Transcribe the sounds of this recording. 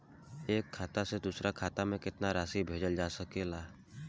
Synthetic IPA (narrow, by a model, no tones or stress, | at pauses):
eːkʰːaːt̪ased̪uːsɾakʰaːt̪amẽkɪt̪naɾaːsibʱeːd͡ʒəld͡ʒaːsəkelaː